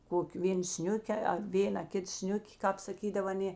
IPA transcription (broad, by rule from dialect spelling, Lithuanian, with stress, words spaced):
ˈkoːkʲɪ ˈʋʲeːn ˈsʲnʲʊkʲɛ ɐ ˈʋʲeːnɐ ˈkʲɪt ˈsʲnʲʊkʲɪ kɑːp sɐˈkʲiːdɐw ɐˈnʲeː